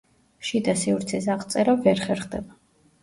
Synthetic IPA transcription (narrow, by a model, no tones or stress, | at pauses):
ʃid̪asiuɾt̪sʰɛsaχt̪sʼɛɾavɛɾχɛɾχd̪ɛba